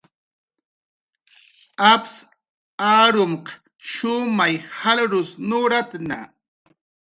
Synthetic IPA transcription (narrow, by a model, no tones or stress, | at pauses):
aps | aːɾʊmq | ʃʊmajhalɾʊsnʊɾat̪na̰